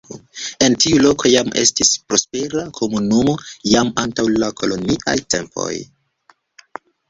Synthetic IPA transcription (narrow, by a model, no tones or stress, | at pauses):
e̞ntiulo̞ko̞jame̞̰stispɾo̞spe̞ɾakʰo̞munumojamantawlako̞lo̞niʔa̰jte̞̰mpo̞̰j